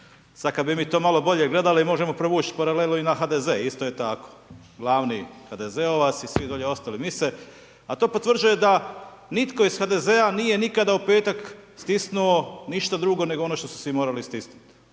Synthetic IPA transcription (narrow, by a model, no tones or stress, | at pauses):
sakad̪bimiːt̪o̞ːmalo̞bo̞ʎe̞ɡle̞d̪aliimo̞ʒe̞mo̞pɾoʋuːt͡ʃpaɾalelnoinaxad̪ezeːist̪oje̞t̪ako̥ | ɡlˠaːʋnḭxad̪ezeo̞ʋasisʋid̪o̞ʎe̞o̞st̪alimise | at̪o̞ːpot̪ʋr̩d͡ʒuje̞d̪a | nit̪ko̞isxad̪e̞zeanije̞nikad̪aupe̞ːt̪akst̪isnuo̞niʃt̪ad̪ɾuɡo̞ne̞ɡoo̞noʃt̪osu̥simoːɾalist̪isnut̪